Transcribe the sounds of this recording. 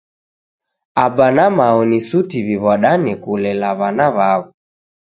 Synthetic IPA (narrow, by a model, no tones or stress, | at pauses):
abanamaɔnisutiβiβɔɗanɛkulɛlaβanaβaβu